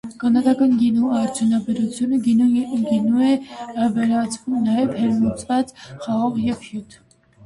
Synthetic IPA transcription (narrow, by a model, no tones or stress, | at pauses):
kɑnɑd̪ɑkɑnɡinuɑrt͡sʰjunɑbɛɾut͡sʰjunəɡinuɛvɛɾɑt͡sʰvumnɑjɛvhɛɾmut͡svɑt͡sχɑʁɔʁjɛvhjut̪ʰ